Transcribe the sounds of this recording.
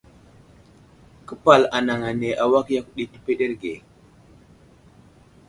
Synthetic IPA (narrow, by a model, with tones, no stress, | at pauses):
kə˦pa˨la˨na˨ŋa˨ne˨ʔa˨wa˦kja˦ku˦ɗi˦ti˦pe˦ɗe˦ɾɡe˨